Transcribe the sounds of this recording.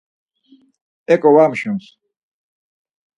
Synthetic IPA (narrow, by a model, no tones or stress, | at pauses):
ɛkʼɔwamʃũns